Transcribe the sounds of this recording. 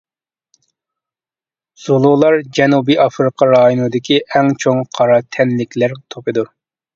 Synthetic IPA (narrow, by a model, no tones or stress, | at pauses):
z̥olˠulˠɑɾd͡ʒɛnubiɑfɾɨqʰɑɾɑːjonɨd̪ɪkʲiʔɛŋt͡ʃʰoŋqʰɑɾɑt̪ʰɛnlɪkʲlæɾt̪ʰopɨd̪u